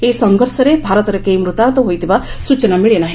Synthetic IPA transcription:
esɔŋɡʱɔɾsɐɾebʱaɾɔt̪ɔɾekejmɾut̪at̪ɔɦojt̪iʋasut͡ʃɐnamiɭenaɦi

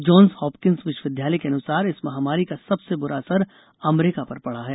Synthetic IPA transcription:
d͡ʒɔːnshɔːpkɪ̃nsʋɪʃʋɪd̪ʱjaːləjkeɐnʊsaːɾɪsmɐɦaːmaːɾikasɐbsebʊɾasəɾ | ɐmɾɪkapɐɾpɐɽ̤aɦɛː

